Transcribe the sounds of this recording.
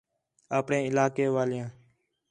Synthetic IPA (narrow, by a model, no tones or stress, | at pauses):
aːpɳẽːɪlaːkeːʋaːlɪjãː